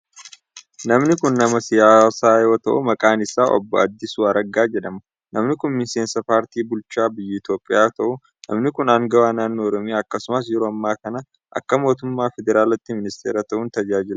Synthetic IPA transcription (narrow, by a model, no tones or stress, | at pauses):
nɐmnɪkʊnːɐmɐsɪjaːsaːjo̞ːt̪ɐʔʊmɐkʼaːnɪsaːʔɔ̰bːɔ̰ɐd̪ːɪsuːɐɾɐɡaːd͡ʒɛᶑɐmɐ | nɐmnɪkʊnmɪse̞ːnsɐpaːɾt̪iːbʊlt͡ʃaːbɪjːɪɪt̪jo̞ːpʼːɪjaːt̪ɐʔʊ | nɐ̰mnɪkʊnaːŋɡɐwaːnaːnːoːɔɾɔmɪjaːɐkːɐsʊmɐs̬jɛɾoɐmːaːkɐnɐ | ʔɐ̰kːɐmo̞ːt̪ʊmːaːfɛd̪ɛɾaːlɐt̪ːimɪnɪst̪eːɾɐt̪ɐʔuːnt̪ɐd͡ʒaːd͡ʒɪl